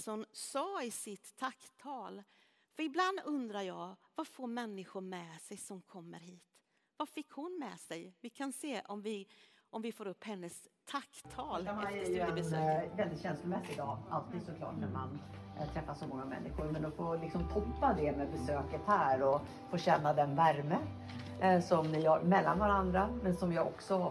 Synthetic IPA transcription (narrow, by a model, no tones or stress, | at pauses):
sɔnsɑːɪsɪt̪ʰːakt̪ʰɑːl | fœɾɪbland̪ɵnd̪ɾaɾjɑːvafoːɾmɛnːɪɧʊɾmɛsɛjsɔmkʰɔmːə̰ɾɦiːt̪ | vafɪkːhʊnmɛːsɛjvɪkʰanseːʔɔmvɪ | ɔmvɪfoːɾɵpːhɛnːəst̪ʰakt̪ʰːɑːlanæɾj̪ɵɛbɛsøːvɛld̪ɪt̪ɕɛnslʊmɛsːɪɪd̪ɑ̰ːʔalt̪iːd̪sɔkʰlɑ̰ːʈnæ̰ɾma̰nt̪ʰɾɛfːasɔmɔŋːamɛ̰nːɪɧʊɾmɛnɔfoːlɪksɔmt̪ʰɔpːad̪ɛmɛbɛsøːkət̪hæːɾɔ | foːɕɛnːad̪ɛnvæɾmə | sɔmnɪaɾmɛlːanvaɾand̪ɾamɛnsɔmjɑɔ̰ksɔ